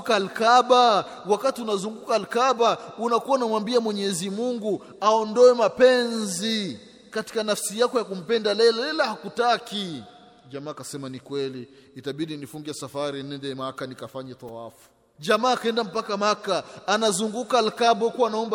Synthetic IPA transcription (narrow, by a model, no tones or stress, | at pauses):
kalkaɓa | wakatiunazuŋɡukalkaɓaunakuwaunamwambiamwɛɲɛzimuŋɡu | aɔndɔɛmapɛnzi | kati̥kanafsijakɔjakum̩pɛndalɛlɛlahakutaki | ʄamaːkasɛmanikwɛli | itaɓiɗinifuŋɡɛsafaɾinɛndɛmakanikafaɲat̪ɔafu̥ | ʄamaːkaɛndam̩pakamakaːnazuŋɡukalkaɓakuwanaɔmba